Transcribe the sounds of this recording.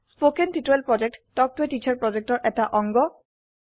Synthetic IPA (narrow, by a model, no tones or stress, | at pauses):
spokentitoelpɹɔd͡ʑek̚ʈtɔk̚tuetit͡ɕʰaɹpɹɔd͡ʒek̚tɔɹʔɛtaʔɔŋɡɔ